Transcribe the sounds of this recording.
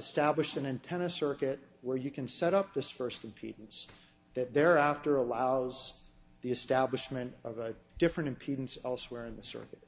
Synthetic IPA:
ɨstæbləʃtɨ̃nɨ̃ntʰɛ̃ñɨsɜ˞kɨt̚wə˞jɨkɨ̃nsɛɾʌp̚ðɪsfɜ˞stmpʰḭdⁿn̩s | ðɨt̪̚ðə˞æftə˞əlaʊz | ðiɨstæbləʃmɨ̃ntʌvəd̥ɪfɹɨ̃ñɨ̃mpʰidⁿn̩sɛlˠswɛɹɨ̃nðɨsɜ̰˞kɨt̚

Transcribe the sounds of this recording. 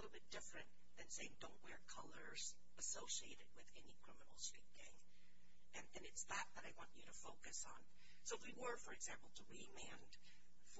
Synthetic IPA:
lɪɾl̩ˠbɪt̚d̥ɪfɹɨ̃n | ðɨ̃nseɪɪ̃ŋdõʊ̃nʔwɛɹkʰʌlˠə˞z̥ | əsoʊsieɪɾɨd̚wɨðɛnikʰɹ̥ɪmənl̩ˠstɹ̥it̚ɡ̥æ̃ŋ | ʔɨ̃nðɨ̃nɨtsðət̪̚ðɨɾaɪwɑ̃nt͡ʃɨɾɨfoʊkɨsn̩ | soʊwiwə˞fə˞ɨɡzæ̃mpl̩ˠtʰəɹimæ̃nd̥ | f

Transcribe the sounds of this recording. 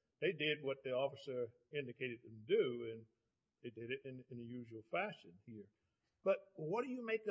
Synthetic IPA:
ðeɪdɪd̚wʌt̪̚ðiɔfɨsə˞ | ɪ̃ndɨkʰeɪɾɨɾɨ̃dʉɨ̃n | ðeɪdɨɾɨɾɨ̃nɨ̃nɨjʉʒwl̩ˠfæʃɨ̃nhiɹ | b̥ʌt̚wʌd̥ɨjɨmeɪk̚ð

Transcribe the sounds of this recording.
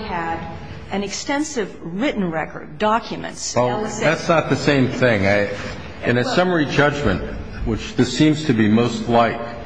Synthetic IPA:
ɨɾ | ʔɨ̃nɨkstɛ̃nsɪvɹɪʔn̩ɹɛkə̰˞dɑkʰjɨmɨ̰̃ntsɛlˠðætsnət̪̚ðɨsẽɪ̃mθɪ̃ŋaɪ | ɨ̃nɨsʌmə˞id͡ʒʌd͡ʒmɨ̃nʔ | wɨt͡ʃðɪsĩmz̥tʰɨbimoʊstˡlaɪk

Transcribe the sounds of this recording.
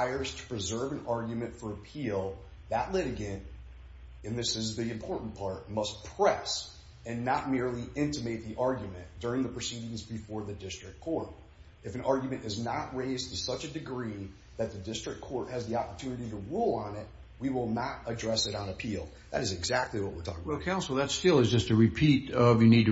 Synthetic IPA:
ɪə˞z̥tʰə̥pʰɹ̥ɨzɜ˞vɨ̃nɑɹɡjmɨ̃ntfə˞əpʰilˠ | ðəʔˡlɪɾɨɡɨ̃nt | ɨ̃nðɪsɨzðiɨ̃mpʰɔɹʔn̩pʰɑɹt̚mʌs̚pʰɹ̥ɛs | ɨ̃nːət̚mɪɹlˠiʔɪ̃ntɨmeɪt̪̚ðiʔɑɹɡjɨmɨ̃nd̥ʊɹɪ̃ŋðəpʰɹ̥ɨsiɾɪ̃ŋzbɨfɔɹðɨdɪstɹ̥ɨk̚ʰːɔɹɾ | ɨfɨ̃nɑɹɡjmɨ̃ñɨznəʔ̚ɹeɪztʰɨsʌt͡ʃɨdɨɡɹi | ðɨt̪̚ðɨdɪstɹ̥ɨkʰːɔɹt̚hɨzðiɑpə˞tʰʉnɨɾiɾəɹulˠə̃nɪt̚ | wiwɪlˠnəɾədɹɛsɨɾnəpʰilˠ | ðɨ̰ɾɨzɨɡzæk̚tˡliwʌt̚wɪ̰ɹtʰɔ̰kɪ̃wɛlˠkʰãʊ̃nsl̩ˠðətstɪlˠɨzd͡ʒʌstɨɹɨpʰiɾʌvjɨnid̚tɨ

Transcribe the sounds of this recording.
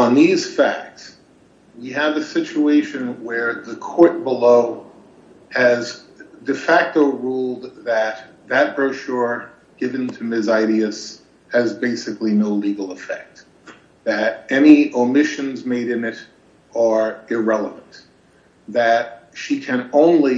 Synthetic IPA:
ə̃nðiz̥fæ̰k̚ts | wiɨvɨsɪt͡ʃueɪʃɨ̃nwə˞ðəkʰɔɹt̚b̥əloʊ | ɨz | dɨfæk̚toʊɹulˠd̪̚ðɨt̪̚ | ðɨt̚b̥əʊʃɔɹ | ɡ̥ɪvɨ̃ntʰɨmɪzaɪɾiɨs | hɨzbeɪsɨklinoʊliɡl̩ˠəfɛ̰k̚t̪̚ | ðɨɾɛniəmɪʃɨ̃nzmeɪɾɨ̃nɪɾ | ə˞ɪɹɛlˠəvə̃nt̪ | ðɨt̚ | ʃikʰɨ̃nõʊ̃nli

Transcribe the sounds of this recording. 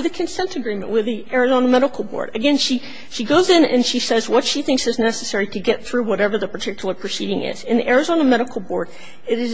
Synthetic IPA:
ðɨkʰɨ̃nsɛ̃ntɨɡɹĩmɨ̰̃nʔwɨðiʔɛɹɨzõʊ̃nəmɛɾəkl̩ˠbɔ̰ɹɾɨɡɛ̃nʃi | ʃiɡoʊzɪ̃nɨ̰̃nʃisɛzwʌtʃiθɪ̃ŋksɨznɛsɨsɛɹiɾɨɡɛt̪̚θɹʉwʌɾɛvə˞ðɨpə˞tʰɪkjl̩ˠə˞pʰɹ̥ɨsiɾɪ̃ŋɪ̰z̥ɨ̃nðiʔɛɹɨzõʊ̃nəmɛɾəkl̩ˠbɔɹɾ | ɨɾɨz

